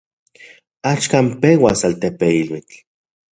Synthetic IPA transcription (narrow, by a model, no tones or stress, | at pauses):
at͡ʃkampewasalt̪epeilwit͡ɬ